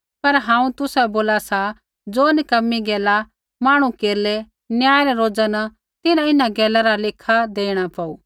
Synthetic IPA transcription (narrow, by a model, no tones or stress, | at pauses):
pɐɾɦãːũt̪ʊsɛboːlasa | d͡zoːnɪkɐmːiɡɛːla | maːɽ̃ũkeːɾlɛ | njaːjɾɛɾoːd͡zana | t̪ɪnãɪnaɡɛːlaɾalɪkʰad̪eːɽ̃apaːṵː